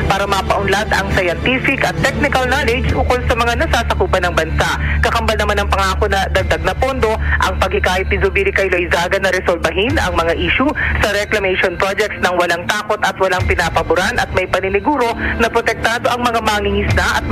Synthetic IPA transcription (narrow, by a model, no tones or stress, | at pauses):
paːɾɐmɐːpɐʔʊnlad̪ɐŋsɐjɐnt̪ifɪkɐt̪ːɛk̚nɪkɐlnalɛd͡ʒbukolsɐmɐŋanɐsaːsɐkuːpɐnɐŋbɐnsaʔkɐkɐmbɐlnɐmanɐŋpɐŋaːkonɐd̪ɐɡ̚d̪aɡ̚nɐpond̪o̞ʔɐŋpɐɡ̚hɪkaːhɪt̪̚ːɪobiːɾɪkɐjlojzaːɡɐnɐɾɛsolbɐɦinɐŋmɐŋaʔiːʃusɐɾɛklɐmɛjʃonpɾod͡ʒɛk̚t̪snɐŋwɐlaŋt̪aːko̞t̪ɐt̪wɐlaŋpɪnaːpɐbʊɾanʔɐt̪̚mɐjpɐnɪnɪɡuːɾo̞nɐpɾot̪ɛk̚t̪aːd̪o̞ʔɐŋmɐŋamaːŋɪŋɪsnaʔɐt̪̚